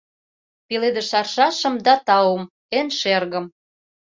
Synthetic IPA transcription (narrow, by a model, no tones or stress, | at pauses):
piled̪ə̆ʃɑrʃɑʃə̆md̪ɑt̪ɑwə̆m | enʃerɣə̆m